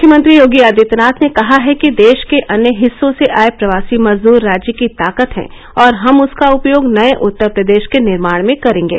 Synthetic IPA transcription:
ʊkʰjəmə̃nt̪ɾijoːɡiaːd̪it̪naːt̪ʰnekɐɦaɦɛkid̪eːʃkeʔɐnjəɦɪsːõseʔaːepɾɐʋaːsimɐzd̪uːɾːaːd͡ʒjəkit̪aːkət̪ɦɛ̰̃ː | ɔːɾɦɐmʊskaʊpjoːɡnɐeʔʊt̪ːəɾpɾəd̪eːʃkenɪɾmaːɽ̃mẽkɐɾẽːŋɡḛː

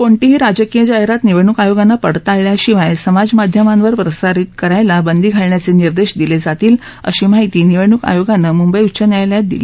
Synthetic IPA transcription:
koɳʈiɦiɾad͡zəkijəd͡ʑaɦeɾat̪niʋeɳukajoɡanːəpəɽ̤t̪aɭljaɕiʋajsəmad͡zmad̪ʱjəmanʋəɾpɾəsaɾit̪kəɾajlabənd̪iːɡʱaɭɳjat͡seniɾd̪eɕd̪iled͡zat̪iːlə̰ɕiːmaɦit̪iːniʋeɳuka̰joɡanːəmumbəjutt͡ɕənjajljad̪ḭle

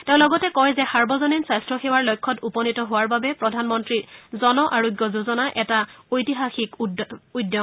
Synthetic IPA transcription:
tẽʊ̃lɔɡɔtɛkɔjzɛxaɹbɔzɔninsastɹɔxewaɹlojkʰːɔtupɔnitɔɦowaɹbabɛpɹɔdʱanmɔntɹizɔnɔʔaɹoɡjɔzuzɔnaʔɛtaojtiɦaxikujdjɔ

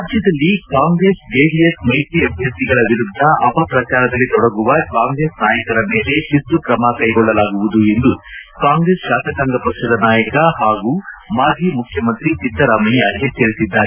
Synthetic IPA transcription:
ɾaːd͡ʒjɐd̪ɐlːikaːŋɡɾe̞ːsɡeːɖiesmɐjtiebʱjɐssiɡɐɭɐʋiɾud̪ʱːɐʔɐpɐpɾɐt͡ʃaːɾɐd̪ɐlːit̪ɔɽɐɡuʋɐkaːŋɡɾeːsnaːjɐkɐɾɐmeːle̞ʃist̪ːukɾɐmɐkɐjɡɔɭːɐlaːɡuʋud̪ue̞nd̪ukaːŋɡɾe̞ːsʃaːt̪ɐkaŋɡɐpɐkʂɐd̪ɐnaːjɐkɐhaːɡuːmaːd͡ʒʱiːmukʰjɐmɐnt̪ɾit͡ʃ̪ind̪ːɐɾaːmɐɐet̪eɾisid̪ːaːɾe

